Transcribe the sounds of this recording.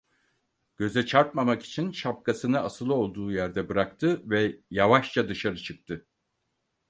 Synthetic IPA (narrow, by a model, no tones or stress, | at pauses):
ɟ̥ø̞zɛt͡ʃʰaɾt̪mamaki̥t͡ʃʰinʃap̚kʰasɯnɯasɯlˠo̞lˠd̪uːjæɾd̪ɛbɯɾakt̪ʰɯvɛjavaʃt͡ʃʰad̪ɯʃaɾɯt͡ʃʰɯk̚t̪ʰɯ